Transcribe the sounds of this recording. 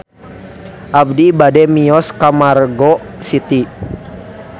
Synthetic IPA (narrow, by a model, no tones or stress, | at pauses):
ʔabdibadɛmiɔskamarɡɔ | sit̪i